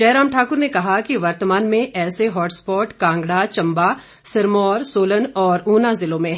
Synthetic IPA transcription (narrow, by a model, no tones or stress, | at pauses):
ʃɐːɾaːmʈʰaːkʊɾnekɐɦakiʋɐɾt̪əmaːnmẽʔɛːseɦɔːʈspɔːʈkãːŋɡɽat͡ʃɐ̃mba | sɐɾmɔːɾsoːlənɔːɾuːnazɪlõmẽɦ